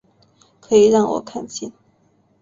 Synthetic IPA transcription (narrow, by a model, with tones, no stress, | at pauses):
kʰɤ˧˥i˨˩ɻɑ˥˩ŋwɔ̰˨˩kʰa˥˧nɕɛ˥˩n